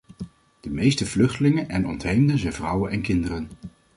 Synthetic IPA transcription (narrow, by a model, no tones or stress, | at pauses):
d̥əmejstəv̥lɵχtəlɪŋənʔɛnɔ̰ntɦejmdəzɛjnvrʌwənɛnkɪndərən